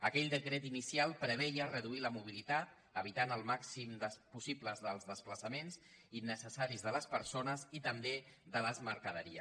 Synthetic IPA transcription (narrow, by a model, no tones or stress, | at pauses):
əkɛʎd̪əkɾɛt̪inisialˠpɾəβ̞ɛjərəðuiləmuβilit̪at̪̚ | əβ̞it̪anəlˠmaksimd̪əspusipləzðəlˠzðəspləsəmenzinːəsəsaɾizðələspəɾsonəzit̪əmbeðələzməɾkəðəɾiə̰